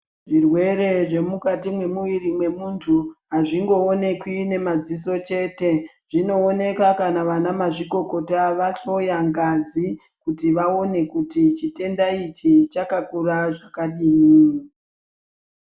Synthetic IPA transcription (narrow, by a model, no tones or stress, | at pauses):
ʐirwe̞ɾe̞ʐe̞mukatimwe̞muʋirimwe̞muntʰuɦaʐiŋɡo̞ːne̞kwine̞mad͡ziso̞t͡ʃe̞ːte̞ʐ̥ino̞ːne̞kakanaʋanamaʐiko̞ko̞taʋaɬo̞jaŋɡazi | kutiʋao̞ne̞kutit͡ʃite̞ndait͡ʃit͡ʃakakuɾaʐakaɗiːni